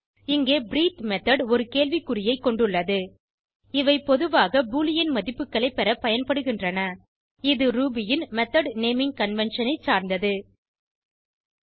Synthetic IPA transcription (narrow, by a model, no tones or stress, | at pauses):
ɪŋɡeːbɪɾiːt̪mɛt̪ɐɽɔɾɯkeːɭʋikːɯrɪjɐɪkːɔɳɖɯɭːɐðɯ | ɪʋɐɪpɔðɯʋaːɣɐbuːlɪjɪnmɐðɪpːɯkːɐɭɐɪpːɛɾɐpɐjɐnpɐɽɯɣɪndrɐnɐ | ɪðɯɾuːbɪjɪnmɛt̪ɐɖneːmɪŋkɐnʋɛnʂɐnɐɪsaːɾnd̪ɐðɯ